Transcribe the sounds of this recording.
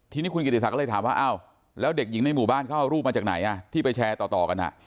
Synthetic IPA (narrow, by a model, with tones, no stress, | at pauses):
t̪ʰiː˧ni˦˥˩kʰu˧nki˨˩t̪i˨˩sa˨˩kːɔ˥lɤː˧jt̪aː˩˦mwaː˥˩ʔa˧˩w | lɛː˦˥wde˨˩k̚ji˩˦ŋna˧jmuː˨˩baː˥˩nkʰɔː˥ʔwɾuː˥˩p̚ma˧t͡ɕa˨˩kna̰˩˦jʔa˧˩t̪ʰiː˥˩pa˧jt͡ɕʰɛː˧t̪ɔː˨˩t̪ɔː˨˩ka˧nʔa̰˨˩ʔ